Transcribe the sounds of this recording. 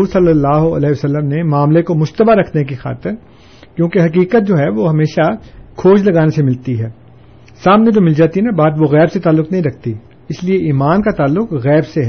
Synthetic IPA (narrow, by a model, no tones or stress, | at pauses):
uːɾsɐlːəlːaːɦoɐ̰lɛːʋɐsəlːəmnemaːmlekomʊʃt̪əbaɾɐkʰnek̬ixa̰ːt̪ɪɾ | kjõːkeɦɐkiːkət̪̚d͡ʒoːɦɛʋoɦɐmeːʃakʰoːd͡ʒlɐɡaːnesemɪlt̪iɦɛː | saːmned͡ʒoːmɪld͡ʒaːt̪iɦɛnabaːd̪ʋoɣɛːbset̪aːlːʊknɐɦĩɾɐk̚ʰt̪i | ɪslieʔiːmaːnkat̪aːlːʊkɣɛːbseɦɛː